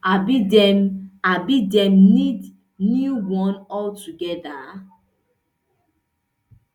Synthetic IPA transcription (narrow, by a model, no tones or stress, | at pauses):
abidɛmabidɛ̃mnid | njuwɔ̃nɔltuɡɛda